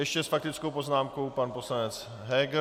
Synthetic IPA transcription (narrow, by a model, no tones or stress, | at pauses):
jɛʃcɛsfak̚t̪ɪt͡skowpo̞znaːmko̞wpanpo̞slanɛt͡s | ɦɛːɡ